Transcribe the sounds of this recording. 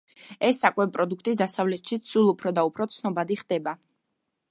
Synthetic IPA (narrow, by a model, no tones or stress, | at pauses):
ɛsːakʼwɛpʼɾɔd̪ukʰt̪ʼid̪asavlɛt̪ʃit̪sulˠupʰɾɔd̪aupʰɾɔt̪sʰnɔbad̪iχd̪̥ɛba